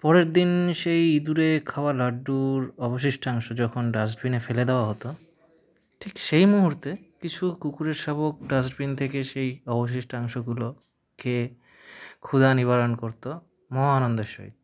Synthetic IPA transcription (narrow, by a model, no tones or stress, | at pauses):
pɔɾeɾd̪inʃejid̪uɾekʰaoalaɖːuɾɔboʃ̬iʃʈaŋʃod͡ʑɔkʰonɖasʈbinefeled̪eoaɦot̪o | ʈʰikʃejmuɦuɾt̪ekit͡ɕʰukukuɾeɾʃaβok̚ɖas̬ʈbint̪ʰekeʃejɔboʃ̬iʃʈaŋʃoɡulo | ke | kʰud̪aniβaɾonkoɾt̪o | mɔɦanond̪eʃo̰ɦḭt̪̚